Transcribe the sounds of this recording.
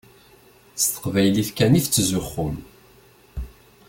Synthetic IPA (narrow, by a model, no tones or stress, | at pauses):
st̪ə̥qvæjlifkænift͡sːzʊχːʊm